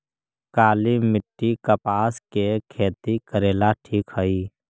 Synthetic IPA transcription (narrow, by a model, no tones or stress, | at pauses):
kaːlimɪʈːikəpaːskekʰeːt̪ikəɾeːlaʈʰiːkɦəi